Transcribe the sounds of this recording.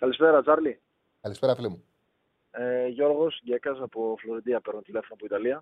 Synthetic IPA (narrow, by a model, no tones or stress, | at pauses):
kɐlispe̞ɾɐt͡sɐɾli | kɐlispeɾɐfilimu | eʝo̞ɾɣo̞sɟekɐsɐpofloɾid̪iɐpe̞ɾnunt̪ile̞fonɐpoit̪ɐliɐ